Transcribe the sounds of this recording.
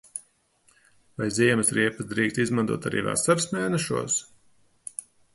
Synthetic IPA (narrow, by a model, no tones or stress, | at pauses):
vajziɛmɨsɾiɛpəsd̪ɾiːkst̪izmant̪ṵɔt̪a̰ɾḭːva̰ːsaɾsmʲæːnɛʃuɔs